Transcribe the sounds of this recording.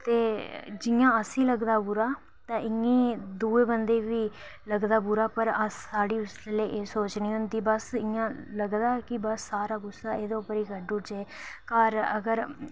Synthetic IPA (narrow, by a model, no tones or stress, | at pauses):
t̪eːd͡ʒɪjãːəsĩːləɡd̪aːbʊɾaː | t̪ãːʔɪŋĩːd̪uːeːbənd̪eːʋiː | ləɡd̪aːbʊɾaːpəɾəsaːɽiːʊseleːʔeːsoːt͡ʃnĩːɦʊnd̪iːbəsɪjãːləɡd̪aːkɪbəsːaːɾaːɡʊsːaːeːd̪õːʊpəɾiːɡəɖʊd͡ʒeːkaːɾə̰ɡəɾ